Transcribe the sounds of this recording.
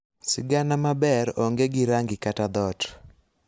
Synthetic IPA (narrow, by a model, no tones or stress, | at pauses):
sɪɡanamabɛɾɔŋɡeɡɪɾaŋɡɪkatad̪ɔt